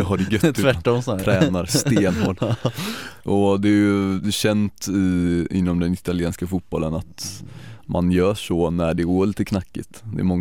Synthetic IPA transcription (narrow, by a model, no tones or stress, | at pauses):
ɦaɖɛɡœt̪t̪ːvæːɔmsʰɾɛːnaɾst̪eːnhoːl | ʔɔd̪ɛæɾjɵd̪ɛɕɛnt̪ɪɪ̰nːɔmd̪ɛnɪt̪alɪeːnskafut̪̚b̥ɔlːənat̪ | ma̰njœːʂɔnæɖɛɡoːɭiːt̪əkʰnakːɪ̰t̪d̪ɛ̰ːmɔŋː